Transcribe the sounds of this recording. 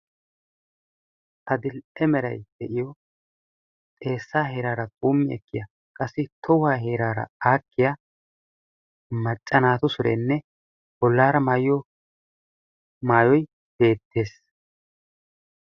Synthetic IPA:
ʔɐd̪ɪlɛmɛɾɐ̰jd̪̥ɛʔɪjɔ | t̪ʼe̞ːsːaːhe̞ːɾaːɾɐkʼuːmːɪɛ̰kːɪjɐ | kʼɐsːɪt̪ʰɔwaːɦe̞ːɾaːɾɐ̰aːkːɪja | mɐt͡ʃʼːɐnaːt̪ʊsʊɾḛnːɛ | bɔlːaːɾɐmaːjjɔ | maːjɔj | b̥e̞ːt̪ːe̞ːs

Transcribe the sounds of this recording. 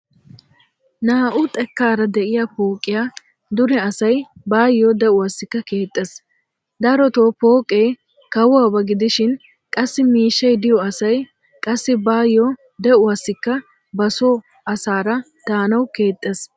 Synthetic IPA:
naːʔʊt̪ʼɛkːaːɾɐd̪ɛʔɪjapoːkʼːɪjaː | d̪ʊɾɛɐsɐjbaːjːod̪ɛʔʊwɐsːɪkːɐke̞ːt̪ʼːes | d̪ɐɾɔt̪oːpoːkʼej | kɐwaːbɐɡɪd̪ɪʃɪn | kʼɐsːɪmiːʃːɐjd̪ɪjɔɐsɐj | kʼɐsːɪbaːjːɔ | d̪ɛʔʊwɐsːɪkːɐ | bɐsɔ | ɐsaːɾɐ | d̪̥aːnɐwke̞ːt̪ʼːes

